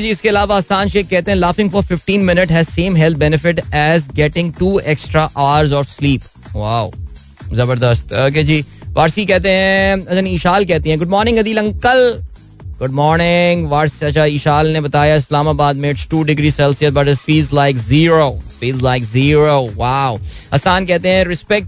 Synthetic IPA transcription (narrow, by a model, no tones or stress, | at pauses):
d͡ʒiːɪskeɐlaːʋaaːsãːnʃeːkkːɛɦt̪ẽɦɛ̃laːfɪ̃ŋfɔɾfɪfʈĩːnmɪnɪʈɦɛzsẽːmɦɛlt̪̚bɛnɪfɪʈɛzɡɛʈɪ̃ŋʈuːɛksʈɾaʔaːɾzɔːfsliːp | ʋaːʊ | zɐbəɾd̪əst̪oːk̬ed͡ʒiːʋʔaːɾsikɛɦt̪̬eɦɛ̃ɐt͡ʃʰaniːʃaːlk̬ɛɦt̪iɦɛ̃ɡʊɖ̚mɔːɾnɪ̃ŋɐd̪iːlɐ̃ŋkəl | ɡʊɖ̚mɔːɾnɪŋɡʋaːɾsɐt͡ʃʰaiːʃaːlnebɐt̪aːjaɪslaːmaːbaːd̪mẽɪʈsʈuːɖɪɡɾiːsɛlsijət̪̚bɐʈɪfiːlzlaɪkziːɾoːfiːlzlaɪkziːɾoːʋaːʊɐ̰saːnkɛɦt̪eɦɛ̃ɾɪspɛk̚ʈ